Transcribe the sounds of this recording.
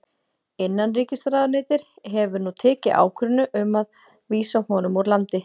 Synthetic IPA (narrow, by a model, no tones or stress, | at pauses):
ɪnːanriːcɪst̪ɾaːðʏɾneːjt̪ɪɾ̥ | ɦɛvʏɾnut̪ʰɛːcɪʔa̰ːwkʰɾʏnʏʔʏmað | viːsahɔːnʏmɔɣɾlant̪ɪ